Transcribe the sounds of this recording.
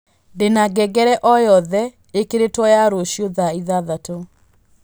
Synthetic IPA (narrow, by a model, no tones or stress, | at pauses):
ndenaɡɛɡɛɾɛʔɔjɔðɛ | ekeɾetwɔjaɾoɕjoðaiðaðato